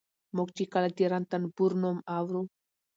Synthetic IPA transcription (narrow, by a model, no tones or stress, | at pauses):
mokt͡ʃikalat̪eɾant̪anbuɾnomawɾu